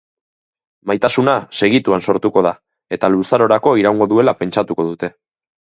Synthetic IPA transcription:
majt̪asunase̞ɣit̪uanso̞ɾt̪uko̞ð̞a | e̞t̪alusaɾo̞ɾako̞iɾawŋɡo̞ðue̞lape̞nt͡ʃat̪uko̞ðut̪e̞

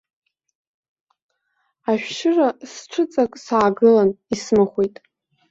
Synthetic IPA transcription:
aʃᶣʃɨrasʈ͡ʂʰɨt͡sʼakʼsaːɡɨlanismɨχʷejtʼ

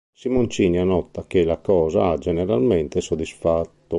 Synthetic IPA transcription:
simont͡ʃiːnianɔt̪ːakelakɔːzaad͡ʒɛnɛɾalmɛnt̪ɛsod̪isfat̪ːo

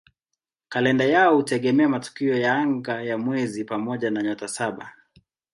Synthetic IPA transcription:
kalɛndajaɔhutɛɠɛmɛamatu̥kiɔjaaŋɡajamwɛzipamɔʄanaɲɔtasaɓa

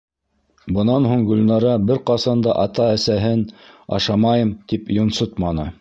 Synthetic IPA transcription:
bɤ̆nɑnɦuɴɡɵ̆lnɑɾɑbɘɾqɑsɑnd̪ɑʔɑt̪ɑæsæɦɘnɑ̰ʃɑmɑjɤmt̪ipjŏnsot̪mɑnɤ̰

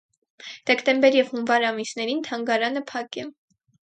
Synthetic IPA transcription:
d̪̥ɛkt̪ɛmbɛɾjɛvhunvɑɾɑmisnɛɾint̪ʰɑŋɡɑɾɑnəpʰɑkɛ

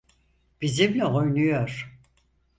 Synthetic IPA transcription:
b̥izimlʲɛojnyjøɾ̥

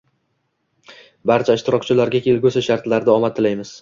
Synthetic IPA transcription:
baɾt͡ʃʰaɪʃt̪ʰɪɾɒqt͡ʃʰɪlaɾɡʲakʲʰe̞lɡʲɵsaʃaɾt̪laɾd̪ɪɒmat̪ʰːɪlajmɪz̥

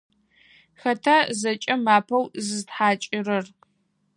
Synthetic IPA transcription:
xɐtʰazɐt͡ʃʼɐmaːpʰɐwzɨztħaːt͡ʃʼɪrɐr

